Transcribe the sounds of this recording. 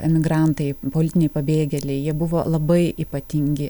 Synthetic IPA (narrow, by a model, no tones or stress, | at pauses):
ɛmʲɪɡɾɑnt̪ɐɪpolʲɪt̪ʲɪnʲɛɪpɐbʲeːɡʲɛlʲɛɪjiɛbʊʋoːlˠɐbɐɪʔiːpɐt̪ʲɪŋʲɡʲɪ